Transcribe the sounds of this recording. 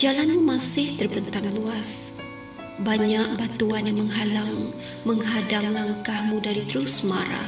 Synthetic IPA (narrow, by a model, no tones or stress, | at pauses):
d͡ʒalanmumasɪht̪ərbənt̪anluas | baɲak̚bat̪uanjaməŋɦalaŋ | məŋɦadamlaŋkahmudaɾit̪ɾusmaɾa̰